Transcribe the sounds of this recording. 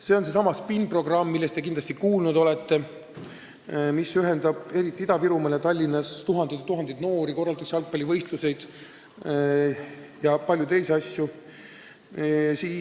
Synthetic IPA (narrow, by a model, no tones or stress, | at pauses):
se̞o̞nse̞sɑmɑspinpro̞ɡ̥rɑmːilːe̞st̪e̞kind̪lɑst̪ikuːlnud̪o̞lɛt̪ːe̞ | misyɦend̪ɑb̥e̞ɾit̪ːˑiid̪̥ɑviɾumɑljɑt̪ɑlʲːinːɑst̪uɦɑnd̪̥it̪t̪uɦɑnd̪̥it̪no̞ːɾiko̞rːɑlt̪ɑkseɑlk̚pɑlʲivɤjst̪luse̞jd̪̥ | jɑpɑljut̪e̞jseɑsʲju | siː